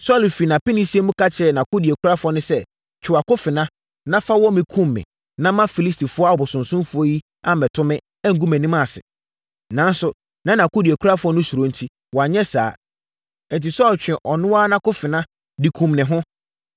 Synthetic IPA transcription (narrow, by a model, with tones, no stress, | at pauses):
sɔ˦˨lfi˨nã˨pɪ˦nɪ̃˦si˦e˦mʊ̃˦kʰa˦t͡ɕʰɛ˦˨nã˨kʊ˦di˨e˨kʰu˦ɾa˦fɔ˦nʊ̃˦sɛ˦ | t͡ɕᶣʰɪ˨a˨kʊ˦fɪ˨nã˦ | nã˦fa˦wɔ˦mɪ̃˨kʰũ˦mːɪ̰̃˨ | nã˦mã˦fi˨li˦stʰi˨fʊ˦ɔ˦a˨ɔ˨bʊ˨sʊ̃˨nsʊ̃˦mfʊ˦ɔ˦ji˦ | a˦mɛ˨tʰʊ̃˦mɪ̃˦ | ɛ˦ŋ̩˨ɡu˦mɛ̃˨nĩ˦mã˦˨sɪ̰˨ | nã˨˦n˦sʊ˨ | nã˦nã˨kʊ˦di˨ɛ˨kʰu˦ɾa˦fʊ˦ɔ˦nʊ̃˦su˨ɾo˦n̩˨tʰi˦ | wɔ˨a˨ɲɛ˦sa̰ː˨˦ | n̩˨ti˨sɔː˦˨lt͡ɕᶣɪ̃˨ʔɔ˨nʊ̃˦wa˦nã˦kʊ˦fɪ˨nã˦ | di˨kʰũ˨mnɪ̃˨ɦʊ̃˦